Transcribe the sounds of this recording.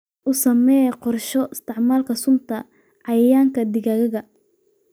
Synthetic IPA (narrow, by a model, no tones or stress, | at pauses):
ʔʊsɐmɛːqɔrʃɔʔɪst̪ʰɪʕmaːlkʰɐsʊmt̪ʰɐ | ʕɑjjaːŋkʰɐd̪ɪɣɐɣɐɣɐ